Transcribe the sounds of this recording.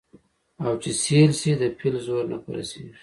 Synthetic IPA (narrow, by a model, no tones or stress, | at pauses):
awt͡ʃeselsid̪əpʰilzoɾna̰pəɾa̰sḛʒi